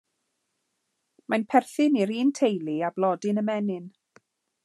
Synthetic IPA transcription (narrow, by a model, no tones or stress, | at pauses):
manpʰɛrθɪniɾiːntʰejlˠiablˠɔdɪnəmɛnɪn